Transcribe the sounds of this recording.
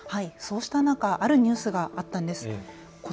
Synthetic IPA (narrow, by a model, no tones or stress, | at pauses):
haiso̞ːɕi̥t̪anãŋkaʔaɾɯ̟ɲ̟ɨːsɨɡaːt̪ːãnd̪e̞sɨ̥ | ko